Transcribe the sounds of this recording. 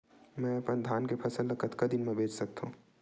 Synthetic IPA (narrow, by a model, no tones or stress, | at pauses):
mɛ̃ɐpənd̪ʱaːnkepʰɐsəlːɐkʰət̪kɐd̪ɪnmẽbʱeːd͡ʒsɐk̚t̪aɦũ